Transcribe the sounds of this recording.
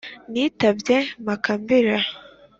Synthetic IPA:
nitabjemakambiɾa

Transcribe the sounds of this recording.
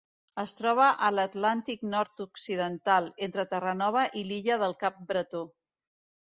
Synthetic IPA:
əst̪ɾɔβ̞əʔələt̪lant̪ik̚nɔɾt̪uksiðənt̪alˠent̪ɾət̪ərənɔβ̞əʔiliʎəðəlˠkap̚bɾət̪o

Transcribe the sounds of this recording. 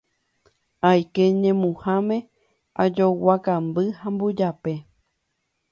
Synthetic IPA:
ajkeɲẽmũhãmẽ̞ | ad͡ʒowakambɨhãmbud͡ʒape̞

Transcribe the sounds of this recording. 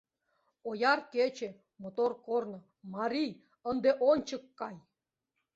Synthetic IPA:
ojɑrket͡ɕe | mot̪orkornɤ̆ | mɑɾij | ə̆nd̪eʔonʲt͡ɕə̆kːɑj

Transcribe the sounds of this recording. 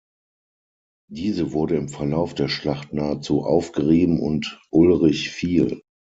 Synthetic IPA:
d̥iːzəvʊɐɾəɪmfɛɐlaʊfd̥eːɐʃlaχtnaːət͡suːʔa̰ʊfɡ̥əʁeːbm̩ʊ̰ntʔʊlʁɪçfiːl

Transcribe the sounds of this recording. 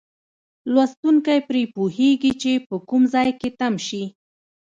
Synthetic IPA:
lwast̪uŋkajpɾepuheɡit͡ʃepəkumzɑjket̪amʃi

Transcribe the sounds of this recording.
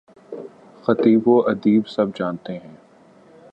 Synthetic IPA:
xɐt̪iːboʔɐd̪iːbsɐbd͡ʒaːnt̪eɦɛ̃ː

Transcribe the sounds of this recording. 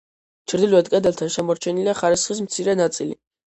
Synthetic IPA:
t͡ʃʰɾd̪iluɛt̪kʼɛd̪ɛlˠt̪ʰanʃɛmɔɾt͡ʃʰɛniliaχaɾisχis̬mt̪sʰiɾɛnat̪sʼili

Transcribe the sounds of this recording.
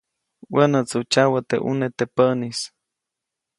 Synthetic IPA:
wanat͡sut͡ʃawat̪eʔṵnet̪epəʔnis

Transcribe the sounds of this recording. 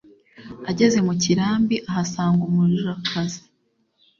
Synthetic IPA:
aɟe̞ze̞muciɾaːmbiʔaɦasaːŋɡumuɾiɾakʰazi̥

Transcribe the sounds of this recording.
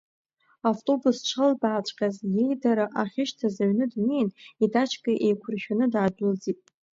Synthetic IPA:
aftʼo̞bust͡ʃʷʰalbaːt͡ʃʷʼqʲʼazje̞jdaɾaʔaχʲɪʃtʰazaɥnɨdnejnidat͡ʃʰkʼaʔe̞jkʷʰʊrʃᶣanɨdaːdʊld͡zitʼ

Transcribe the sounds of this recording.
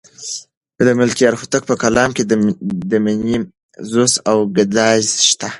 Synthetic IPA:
d̪əmʊlkiaɾxut̪ək̚pəkalɑmked̪əmini | zosawɡɪd̪ɑzʃt̪a

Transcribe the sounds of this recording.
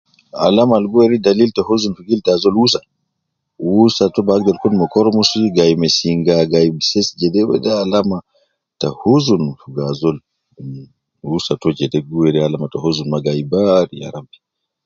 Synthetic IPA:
a̰lamalɡuweɾidaliltahozunfuɡiltazɔlwusa | wusatɔbaɡɛlkɔnmɔkɔɾmusiɡajmɛsiŋɡaɡajmsɛsd͡ʒɛdɛwɛ̰daːlama | tahozunfuɡazɔl | wusatɔd͡ʒɛdɛɡuweɾialamatɔhozunmaɡajbaɾija̰ɾambɛ̥

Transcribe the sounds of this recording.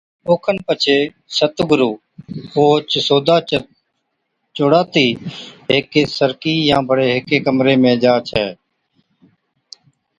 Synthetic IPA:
oːkʰənpət͡ʃʰeː | sət̪ɡʊɾuː | oːt͡ʃsoːd̪aː | t͡ʃʊɽaːt̪iːɦɪkeːsəɾkiːjãːbəɽeːɦɪkeːkəmɾeːmẽːd͡ʒaːt͡ʃʰɛː

